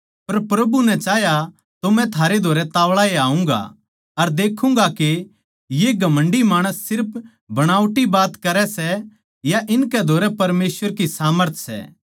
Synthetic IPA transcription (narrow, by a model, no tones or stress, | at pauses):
pɐɾpɾɐbunɛ̃t͡ʃaːja | t̪omɛ̃t̪ʰaːɾed̪ʱoːɾɛt̪aːʋɭaeaːũŋɡa̰ | ɐɾd̪eːkʰũŋɡake | jeɡʱɐmə̃ɳɖimaːɽ̃əsːɪɾpʰ | bɐɽ̃aːʊʈibaːt̪kɐɾɛsɛ | jaʔɪnkɛd̪ʱoːɾɛpɐɾmeːswəɾkisaːməɾt̪ʰsɛ̰ː